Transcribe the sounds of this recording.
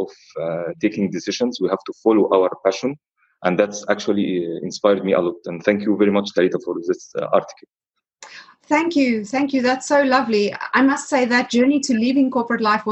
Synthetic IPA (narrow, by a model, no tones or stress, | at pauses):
ʔɔv | t̪ʰeːkɪ̃ŋd̪ɪsɪʒə̃nzwihæv̥t̪ufɔloʔaʊwəɹpæʃə̃n | ʔæ̃nðætsæk̚t͡ʃuliɪ̰̃nspaɪɾd̪̚miːʔə̰lɔt̪æ̃nθæ̃ŋkjuvɛɹimʌt͡ʃt̪ælit̪afɔɾðɪsɑ̰ɹt̪ɪ̥kəlˠ | θæ̃ŋkjʉθæ̃ŋkjʉðætsoʊlʌvlia̰ɪmʌstseɪðɨt̚d̥ʒ̥ɜ˞nitʰɨlivɪ̃ŋkʰɔɹpɹətˡlaɪfw